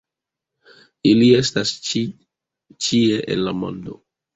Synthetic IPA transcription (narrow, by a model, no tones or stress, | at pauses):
ilie̞stas | t͡ʃie̞ʔḛnlamo̰ndo̞